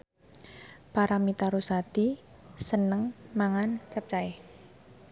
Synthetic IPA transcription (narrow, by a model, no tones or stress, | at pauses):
paɾamit̪aɾusat̪i | sənəŋmaŋant͡ʃap̚t͡ʃaɪh